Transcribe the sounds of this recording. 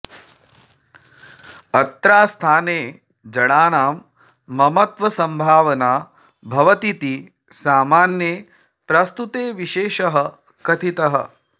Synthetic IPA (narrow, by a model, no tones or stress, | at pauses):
ɐt̪ɾaːst̪ʰaːneː | d͡ʒɐɽaːnaːmː | ɐmɐt̪ʋɐsɐmbʱaːʋɐnaː | bʱɐʋɐt̪it̪i | saːmaːnjeː | pɾɐst̪ut̪eːʋiʃeːʃɐɦɐ | kɐt̪ʰit̪ɐɦɐ̰